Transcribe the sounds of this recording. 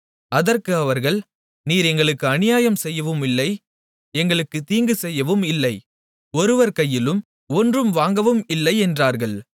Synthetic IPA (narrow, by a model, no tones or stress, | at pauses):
ɐðɐrkɯɐʋɐɾɣɐɭ | niːɾɛŋɡɐɭɯkːɯɐnɪjaːjɐmsɛjːɐʋɯmɪlːɐɪ | ɛŋɡɐɭɯkːɯt̪iːŋɡɯsɛjːɐʋɯmɪlːɐɪ | ɔɾɯʋɐɾkɐjːɪlɯm | ɔndrɯmʋaːŋɡɐʋɯmɪlːɐɪɛndraːɾɣɐɭ